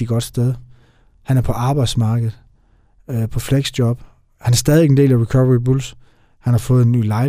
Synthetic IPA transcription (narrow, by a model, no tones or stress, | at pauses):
iɡ̥ɒ̽d̥sd̥eð̞ˠ | hænæɐpʰɒ̽ʔɑ̈ːb̥ɑ̈ɪd̥smɑ̈ːɡ̥əð̞̩ˠ | pʰɒ̽fleɡ̥sd̥jɒb̥ | hænæɐsd̥ɛːðˠie̥end̥e̝̰ːlæʁikʰɒʋɐʁibuls | hænhɑ̈fɔ̽ːð̩ˠenːy̰ːlɑ̈ɪ